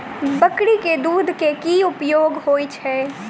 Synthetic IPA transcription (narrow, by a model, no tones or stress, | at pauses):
bəkɽiked̪ud̪ʱkekiupjoːɡɦoːjt͡ʃʰɛ